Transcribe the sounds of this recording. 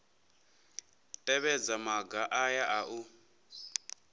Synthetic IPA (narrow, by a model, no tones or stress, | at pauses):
tʼɛβɛd͡zamaɡaʔajaʔaʔu